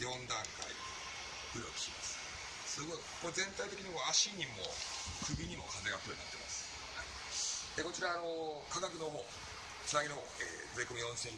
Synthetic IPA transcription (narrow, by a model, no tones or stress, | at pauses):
jõ̞nd̪ãŋka̰ḭ | kɯ̟ɾokʲi̥ɕimasɨ̥ | sɨɡo̞ikozẽ̞nt̪ait̪e̞kʲiɲ̟iβaaɕiɲ̟imo̞̰kɯ̟bʲiɲ̟imo̞̰kʰaze̞ɡap̪ɯoɲina̰t̪ːema̰sɨ̥ | hai | eko̞t͡ɕiɾano̞kaɡakɯ̟no̞ɦoː | t͡sɨnaɲʲino | ḛːzɨikomʲijõ̞ñsẽ